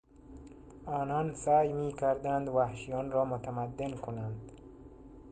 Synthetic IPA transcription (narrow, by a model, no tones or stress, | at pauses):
ɒːnɒːnsæːjmiːkʲʰæɾd̪ænd̪væhʃijɒːnɾɒːmot̪ʰæmæd̪ːenkʰonænd̪